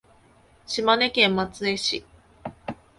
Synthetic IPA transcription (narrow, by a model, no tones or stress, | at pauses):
ɕimane̞kẽ̞mːat͡sɨe̞ɕi